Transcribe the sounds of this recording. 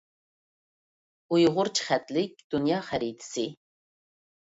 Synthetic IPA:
ujʁʊɾt͡ʃʰχæt̪lɪk̚ʲd̪̥unjɑːχæɾit̪ʰsi

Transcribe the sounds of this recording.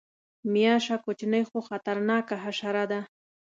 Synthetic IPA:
mijaʃakʊt͡ʃnəjxoxat̪aɾnɑkaɦaʃaɾad̪a

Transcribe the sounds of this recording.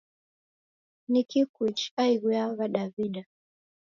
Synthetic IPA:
nikikit͡ʃaiɣujaβaɗaviɗa

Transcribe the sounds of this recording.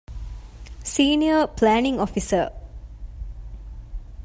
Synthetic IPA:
siniəplɛnĩŋɔfisə

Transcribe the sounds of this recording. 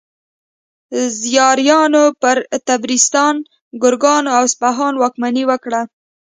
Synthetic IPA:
zjɑɾjɑnopəɾt̪abɾist̪ɑn | ɡʊɾɡɑnoawspaɦɑnwɑkmaniwəkɽa

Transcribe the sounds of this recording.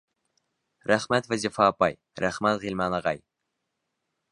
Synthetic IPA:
ɾæχmæt̪vɛzifɑːpɑj | ɾæχmɛt̪ʁilʲmɑnɑʁɑj

